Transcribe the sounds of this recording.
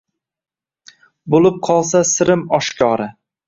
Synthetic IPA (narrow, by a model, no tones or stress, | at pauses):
bolˠɪp̚qʰɒlˠsasɪɾɪmɒʃkʲʰɒɾɪ